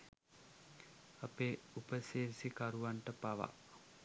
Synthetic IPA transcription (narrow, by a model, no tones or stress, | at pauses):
apeupəseɾsikaɾuʋaɳʈəpaʋa̰ʔ